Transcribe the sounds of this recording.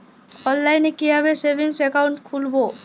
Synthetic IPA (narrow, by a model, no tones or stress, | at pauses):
ɔnːajnekiɦaβesebʱiŋsɛkawɳʈkʰulbo